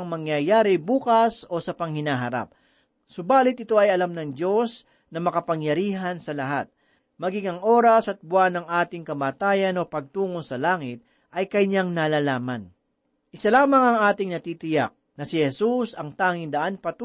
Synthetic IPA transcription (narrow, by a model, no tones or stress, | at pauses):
ŋmɐŋjɐjaːɾɪbuːkɐso̞sɐpɐŋhɪnaːɦɐɾa̰p̚ | sʊbaːlɪt̪̚ɪt̪o̞ɐjɐlamnɐŋd̪o̞s | nɐmɐkɐpɐŋjɐɾiːɦɐnsɐlɐɦa̰t̪̚ | mɐɡiŋɐŋʔo̞ːɾɐsɐt̪̚bʊwanɐŋʔaːt̪ɪŋkɐmaːt̪aːjɐno̞pɐɡ̚t̪uːŋosɐlaːŋɪt̪̚ | ʔɐjkɐjɲaŋnaːlalaːmɐn | ʔɪsɐlaːmɐŋɐŋaːt̪ɪŋnɐt̪iːt̪ɪjak̚nɐsɪhɛsusɐŋt̪aːŋɪnd̪ɐʔanpɐt̪ː